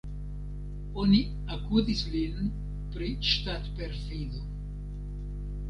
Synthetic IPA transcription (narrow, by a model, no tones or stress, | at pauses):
oni | akudislin | pɾiʃt̪at̪peɾfiðo